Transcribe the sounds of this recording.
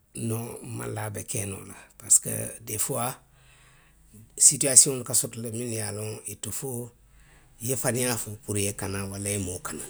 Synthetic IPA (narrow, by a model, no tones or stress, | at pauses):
nɔ̃ma̰labɛkɛːnɔ̰la̰paskə̰defoa | sityasiɔ̃lukasɔtɔlemĩnjalɔ̃itofo | jefanĩjafopuɾjekanãwalajemoːkanã